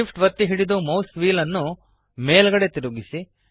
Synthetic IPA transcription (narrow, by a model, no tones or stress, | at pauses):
ipʈʋɐt̪ːiɦiɽid̪omɐwsʋiːlɐnːu | meːlɡɐɽet̪iɾuɡisi